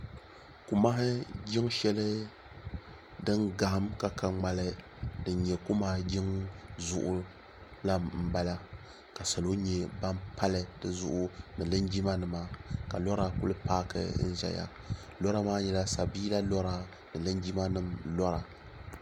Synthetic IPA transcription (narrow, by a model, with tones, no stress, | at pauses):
ku˨ma˦ɦɪ˦ɡʲɪ˦ŋʃɛ˦lɨ˦ | dɨ˦nɡa˨hmka˨ka˨ŋ͡ma˨lɨ˦ | dɨ˨nɲɛ˨ku˦maː˦ɡɪ˦ŋzʊ̰˦ʔʊ˦ | la˦m̩˦ba˦la˦ | ka˨sa˨lo˦ɲɛ˦ba˦mpa˦lɨ˨dɨ˦zʊ̰˦ʔʊ˦nɨ˨lɨ˦nd͡ʒi˦ma˦nɨ˨ma˨ka˨lɔ˦ɾa˨kʊ̰˦lɨ˦paː˦kɨ̰˦n̩˦zɛ̰˨ja̰˦ | lɔ˦ɾa˦maː˦ɲɛ˨la˦sa˨biː˦la˦lɔ˦ɾa˨ | nɨ˨lɨ˦nd͡ʒi˦ma˦nɨ˦mlɔ˦ɾa˨